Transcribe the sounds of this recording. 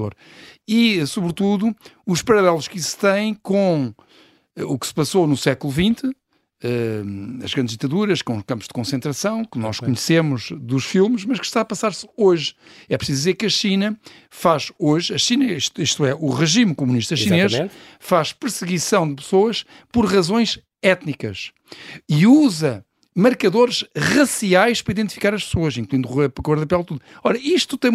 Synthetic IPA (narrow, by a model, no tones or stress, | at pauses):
o̰ɾ | iɛsuβɾt̪uðuuʃpɐɾɐlˠɛlˠuʃkist̪ɐ̃j̃kõ | ɛuksɨ̥pɐsonusɛkulˠuvĩnt̪ɨ | ɛɐ̰ʒɣɾɐ̃d̪ʒðit̪ɐðuɾɐʃkõuʃkɐ̃mpuʒ̥d̪ɨkõsẽnt̪ɾɐsɐ̃w̃kɨnɔʃkkuɲsemuʒðuʃfilˠmɨʃmɐʃkɨ̥ʃt̪aɐpɐsaɾsoʒɛpɾsizuðizeɾkɐʃinɐ | faʃoʒɐʃinɐiʃt̪iʃt̪uɛʔuʁɨʒimkumuniʃt̪ɐʃineʃ | faʃpɨɾsɨɣisɐ̃w̃d̪ɨpɨ̥soɐʃ | pɔɾʁɐzõj̃ʃ | ɛt̪nikɐʃ | iuzɐ | mɨɾkɐðoɾʃʁɐsiajʃpɾɐiðẽnt̪ifikaɾɐʃpsoɐʃĩŋklˠwĩnd̪uʁepɐkɐɐɾðɐpɛlˠt̪uðuɔɾɐiʃt̪u̥t̪ɐ̃j̃